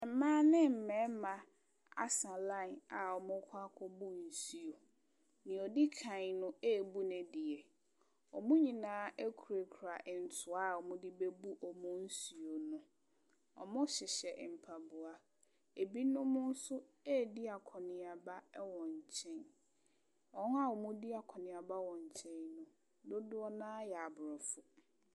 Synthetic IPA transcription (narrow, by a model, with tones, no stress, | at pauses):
ɛ˨m˨˦mãː˦nɪ̃˦m̩˨mɛ̃˨˦mã˨ | a̰˦sã˨lã˦˨na˨ɔ˨mʊ̃˦kʰa˦kʰɔ˦bu˦n̩˨si˨o˨ | nɪ̃˨ɔ˨dɪ˦kʰã˨ɲnʊ̃˦e˦˨bu˦nɛ̃˨di˨e˨ | ɔ˨mʊ̃˦ɲĩ˨nãː˨˦e˦kʰu˨ɾe˨kʰu˨ɾa˨ʔɪ˨n̩˨tʰʊ˨a˦˨ɔ˨mʊ̃˦dɪ˦be˦bu˦ʔɔ˨mʊ̃˦n̩˦su˨o˨nʊ̃˦ | ɔ̰˨mʊ̃˦ɕɪ˨ɕɛ˨ʔm̩˨pʰa˨bʊ˨a˨ | e˨bi˦nʊ̃˦mʊ̃˦n̩˦sʊ˦ | e˦˨di˦a˨kʰɔ˨nɪ̃˨a˨ba˦wɔ̃˨ɲ˨t͡ɕʰɛ̃˦n | ɔ̃˨˦a˦ɔ˨mʊ̃˦di˦a˨kʰɔ˨nɪ̃˨a˨ba˦wɔ̃˨ɲ˨t͡ɕʰɛ̃˦ɲnʊ̃˨ | dʊ˦dʊ˦ɔ˦nãː˦jɛ˨a˨bɾɔ˨fʊ˨